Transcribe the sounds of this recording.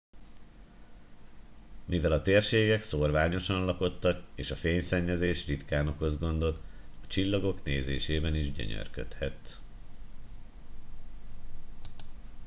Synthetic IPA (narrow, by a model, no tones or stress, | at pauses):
mivɛlɒt̪eːrʃeːɡɛkso̞rvaːɲo̞ʃɒnlɒko̞t̪ːɒkeːʃɒfeːɲsɛɲːɛzeːʃrit̪kaːno̞kho̞zɡo̞nd̪o̞t̪ɒt͡ʃilːɒɡo̞kneːzḛːʃeːbɛniʒɟø̰ɲø̰rkø̰t̪hɛt̪